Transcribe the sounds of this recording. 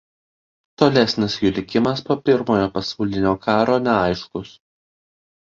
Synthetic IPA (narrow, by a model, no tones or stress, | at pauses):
t̪oːlʲɛsʲnʲɪsjʊlʲɪkʲɪmɐspoːpʲɪɾmoːjoːpɐsɐʊlʲɪnʲoːkɑːɾoːnʲɛɑˑɪʃkʊs